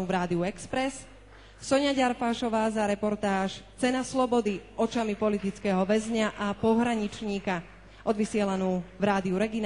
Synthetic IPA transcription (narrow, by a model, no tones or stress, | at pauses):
uːvɾaːd̪iuɛkspɾɛs | sɔɲaɟaɾfaʃɔʋaːzaɾɛpɔɾt̪aːʃt͡sɛnaslɔbɔd̪iʔɔt͡ʃamipɔlit̪it͡skɛːɦɔʋɛzɲaʔapɔɦɾaɲit͡ʃɲiːka | ʔɔd̪ʋisɪɛlanuːvɾaːd̪iuɾɛɡin